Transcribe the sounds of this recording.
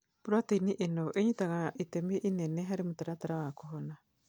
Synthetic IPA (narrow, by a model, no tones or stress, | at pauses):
puɾoateiniʔenowʔeɲitaŋaʔitemieʔineneɦaɾemutaɾataɾaβakoɦona